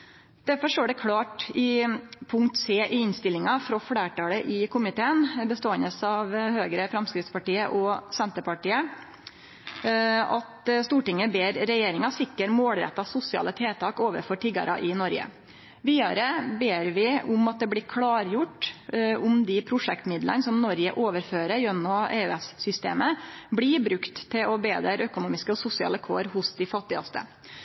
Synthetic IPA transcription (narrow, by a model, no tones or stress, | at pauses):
d̪̥æɾfɔʂʈoːɖɛkʰɽɑːʈɪpʰʊŋk̚t̪seːʔɪɪnst̪ɪlːɪŋɑfɾɔfɽeːʈɑːləʔɪkʰʊmɪt̪ʰeːənbəst̪oːənəsɑʋhøːɡɾəfɾɛmskɾɪt̪spɑʈiːəʔɔsɛnt̪əpɑʈiːə | ɑt̪st̪uːʈɪŋːəbeːɾɾɛjeːɾɪŋɑsɪkːəɾmoːlɾɛ̰t̪ːɑsʊsɪɑ̰ːlət̪ʰeːt̪ʰɑːkoːʋə̰ɾfɔʈʰɪɡɑ̰ɾɑ̰ʔɪnɔɾɡə̰ | ʋiːd̪ɑɾəbeːɾʋɪʊmɑt̪̚d̪ɛbɽɪɾkʰɽɑːɾjʊʈːʊmd̪ɪpʰɾʊʂɛkt̪mɪd̪lə̰nsɔmnɔɾjə̰ʔoːʋəɾføːɾəjœnːɔḛːʉɛssʏst̪ḛːməbɽibɾʉkt̪ʰːɪlɔbeːd̪əɾœkʊnuːmɪskəɔsʊsɪɑ̰ːləkʰo̰ːɾhʊsd̪ɪfɑt̪ːɪɑ̰st̪ə̰